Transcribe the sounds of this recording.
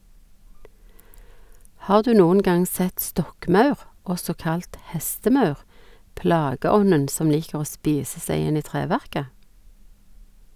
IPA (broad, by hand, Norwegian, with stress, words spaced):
ˈhɑːʁ ˈdʉː ˈnuːən ˈɡɑŋ ˈsɛt ˈstɔkˌmɑʉʁ ˈɔsɔ ˈkɑlt ˈhɛstəˌmɑʉʁ ˈplɑːɡəˌɔnən ˈsɔm ˈliːkəʁ ˈoː ˈspiːsə ˈsæɪ ˈɪn ˈiː ˈtʁeːˌʋæʁkə